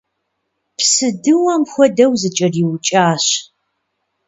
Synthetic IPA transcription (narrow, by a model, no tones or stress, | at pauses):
psɨdɨwɐmxʷɔdɐwzɨt͡ʃʼɐriwt͡ʃʼaːɕ